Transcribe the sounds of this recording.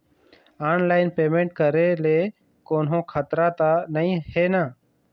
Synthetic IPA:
aːnlaːɪnpeːmẽːɳʈ̚kəɾeːleː | koːnɦõːkʰaːt̪ɾaːt̪aːnəĩːheːnaː

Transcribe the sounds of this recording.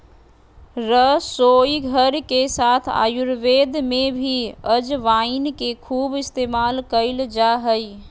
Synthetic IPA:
ɾəsojiɡʱəɾkesaːt̪ʰa̰ːjuɾʋed̪mẽbʱiəd͡ʒʋaɪnkekʰuːbɪst̪eːmaːlkəɪld͡ʒaɦəj

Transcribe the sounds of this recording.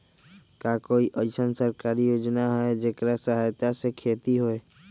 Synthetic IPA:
kaːkoːiʔəsənsəɾkaːɾijoːd͡ʒnaɦɛd͡ʒeːkɾasaɦajt̪asekʰeːt̪iɦoe

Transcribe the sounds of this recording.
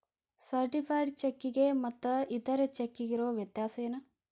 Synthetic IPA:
sɐɾʈipʰɐjɖt͡ʃekːiɡemɐt̪ːɐit̪ɐɾet͡ʃekːiɡiɾoːʋjɐt̪jaːsɐjɐnɐ

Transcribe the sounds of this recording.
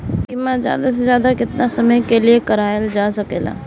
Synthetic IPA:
kimɛ̃zja̰ːd̪as̬ezjaːd̪akɪt̪nasɐməjkeliekəɾaːjld͡ʒaːsɐkeːla̰ː

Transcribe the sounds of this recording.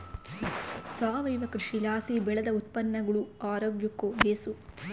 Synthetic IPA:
saːʋɐjʋɐkɾiʂilaːsibɛɭɐd̪ɐut̪̚pɐnːɐɡɐɭuaːɾoːɡjɐkːobʱeːsu

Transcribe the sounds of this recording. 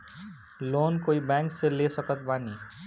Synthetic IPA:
loːnkoːibɛ̃ːŋkselesəkət̪̚baːni

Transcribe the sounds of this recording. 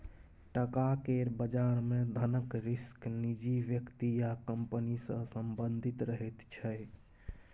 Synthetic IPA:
ʈəkakeɾbəd͡ʒaɾmẽd̪ʱənəkɾisknid͡ʒiʋjəkt̪ijakəmpənisə̃səmbənd̪ʱit̪ɾəɦɛt̪t͡ʃʰəj

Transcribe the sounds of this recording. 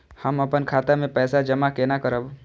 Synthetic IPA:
həmɐpənkʰaːt̪amẽpɛːsad͡ʒəmakenakəɾəb

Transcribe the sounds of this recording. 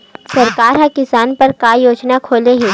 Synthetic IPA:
sɐɾkaːɾɦãkɪsaːnpɐɾkajoːd͡ʒnakʰoːleɦeː

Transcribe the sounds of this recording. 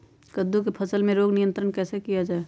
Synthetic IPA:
kəd̪ːukepʰəsəlmẽɾoːɡnijə̃nt̪ɾənkɛːsekijad͡ʒaːe

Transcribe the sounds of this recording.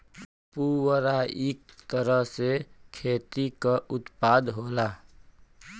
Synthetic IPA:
puwəɾaik̚t̪əɾəɦsekʰeːt̪ikaʔʊt̪paːd̪ɦoːla

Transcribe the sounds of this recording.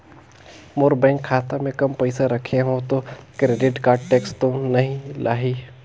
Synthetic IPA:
moːɾbɛ̃ːŋkʰːaːt̪amẽkɐmpɐɪsaɾɐkʰeɦõt̪okɾeːɖɪʈkaːʈeːkst̪onɐɦĩlʔaːɦiː

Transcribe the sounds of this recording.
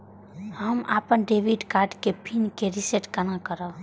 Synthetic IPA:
ɦəma̰ːpənɖeʋiɖkaːɾɖkepʰinkeɾiseʈkənakəɾə

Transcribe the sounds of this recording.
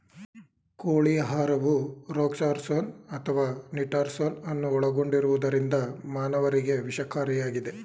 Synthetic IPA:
koːɭijɐɦaːɾɐʋuɾoːksaːɾsoːnɐt̪ʰɐʋaːniʈaːɾsoːnɐnːuɔɭɐɡo̞ɳɖiɾuʋud̪ɐɾind̪ɐmaːnɐʋɐɾiɡe̞ʋiʃɐkaːɾijaːɡid̪e̞

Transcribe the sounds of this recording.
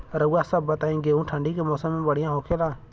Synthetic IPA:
ɾəwaːsəbːət̪aːĩːɡeːũːʈʰə̃ɳɖiːkemoːsəmẽːbəɽ̤ɪjãːɦoːkʰeːlãː

